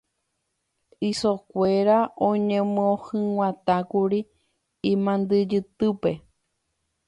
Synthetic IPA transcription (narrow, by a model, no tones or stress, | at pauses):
isokʷeɾaõɲẽmɨõhɨ̃w̃ãt̪akuɾi | ĩmãnd̪ɨd͡ʒɨt̪ɨpe̞